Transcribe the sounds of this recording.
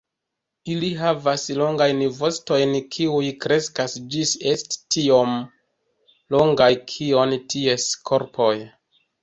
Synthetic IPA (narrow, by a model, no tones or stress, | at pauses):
iliɦavaslo̞ŋɡajnvo̞sto̞jnkʰiujkɾe̞skasd͡ʒise̞sttio̞m | lo̞ŋɡajkʰio̞ntie̞skʰo̞ɾpʰo̞j